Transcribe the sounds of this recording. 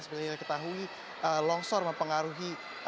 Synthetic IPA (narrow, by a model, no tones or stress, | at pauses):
səbəsakit̪akət̪aɦui | əlɔŋsɔrməmpəŋaɾuɦi